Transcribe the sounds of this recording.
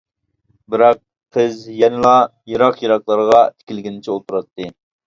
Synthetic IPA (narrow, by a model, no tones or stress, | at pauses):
bɪɾɑqʰː | əzjɛnɪlˠɑjiɾɑqjiɾɑqlˠɑɾʁɑt̪ʰɪ̥kʲilɡʲɪnɪt͡ʃʰɛot̪ʰuɾɑt̪ːɨ